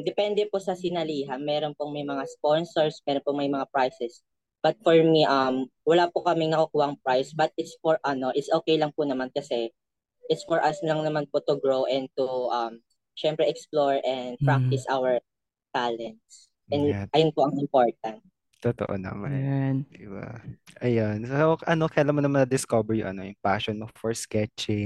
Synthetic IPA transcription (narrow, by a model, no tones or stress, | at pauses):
d̪ɛpɛnd̪ɛposɐsɪnɐliːɦɐnmɛːɾonpʊŋmɐjmɐŋasponsɔɹsmɛɾonpʊŋmɐjmɐŋapɹajsɛs | b̥ɐt̪̚fɔɹmiʔɐmwɐlaːpʊkɐmɪŋnɐkɐkuːhɐʔɐŋpɹajsbɐt̪̚ɪt̪sfɔɹʔɐno̞ʔɪt̪sʔoːkejlɐŋpʊnɐmankɐsɛ | ʔɪt̪sfɔɹʔɐslɐŋnɐmanpot̪ʊɡɹowʔɛnd̪̚t̪uʔɐm | ʃɛmpɾɛʔɛksploɹɛnd̪̚pɹak̚t̪ɪsʔawɛɹ | t̪alɛnt̪s | ʔɛnʔɐjʊnpoʔɐŋɪmpoɹt̪̚ɐnt̪̚ | t̪ot̪oʔo̰nɐ̰maand̪ɪba̰ʔɐjansoʔɐnokɐjlanmonɐmanɐd̪ɪskobɛɹjʊ̰ŋʔɐ̰nojʊŋpaʃɔnmofɔɹskɛt͡ʃɪŋ